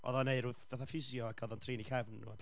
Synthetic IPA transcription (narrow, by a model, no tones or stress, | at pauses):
ɔ̰ðɔneɨɾʊðv̥aθafɪzjɔakʰɔðɔntʰriːnikʰɛvnṵad